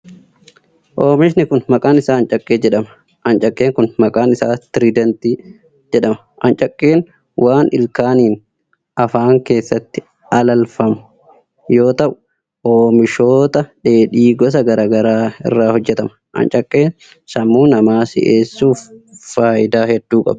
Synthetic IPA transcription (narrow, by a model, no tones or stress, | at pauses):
ʔoːmɪʃnɪkʊnmɐkʼaːnɪsaːnt͡ʃʼɐkʼːeːd͡ʒɛᶑɐmɐ | ʔɐnt͡ʃʼɐkʼːeːŋkʊnmɐkʼaːnɪsaːt̪ɪɾiːd̪ɐnt̪iː | d͡ʒɛᶑɐmɐʔɐnt͡ʃʼɐkʼːe̞ːn | wʔaːnʔɪlkaːniːn | ʔɐfaːŋke̞ːsːɐt̪ːɪ | ɐlɐlfɐmʊ | jo̞ːt̪ɐʔʊ̥ | ʔoːmɪʃo̞ːt̪ɐᶑe̞ːᶑiːɡɔs̬ɐɡɐɾaːɡɐɾaːɪ̰rːaːhɔd͡ʒːɛt̪ɐmɐʔɐ̰nt͡ʃʼɐkʼːeːn | sɐmːuːnɐmaːsɪ̰ʔeːsːuːffaːʔɪd̪aːhɛd̪ːuːkʼɐ̰b